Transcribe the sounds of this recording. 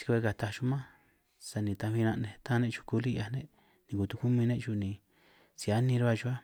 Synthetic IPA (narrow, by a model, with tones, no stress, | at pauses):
si̥˧ke˧ka˨t̪a˧ʃu˧mã˦ | sa˧nĩ˨˧˨t̪ã˧βi˧nã˧ʔnẽ˧t̪ã˦˧nẽ˦˧t͡ʃu̥˧ku˧li˦˧a˧nẽ˦ | nĩ˧˨ku˨t̪u˧ku˦mĩ˧nẽ˦ʔt͡ʃu˧nĩ˨ | si˨a˦nĩ˧ɾa˦βa˦˧t͡ʃu˧a˦